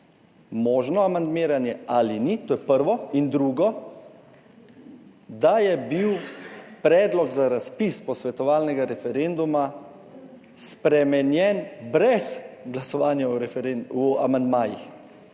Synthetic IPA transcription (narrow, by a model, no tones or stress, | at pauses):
mɔːʒnɔamand̪meːɾanjɛalinit̪oːjɛpəɾʋɔind̪ɾuɡɔ | d̪ajɛbiwpɾɛːd̪lɔɡzaɾaspispɔsʋɛt̪ɔʋaːlnɛɡaɾɛfɛɾend̪uma | spɾɛmɛnjɛnbɾɛsɡlasɔʋaːnjaua̰mand̪maːjḭx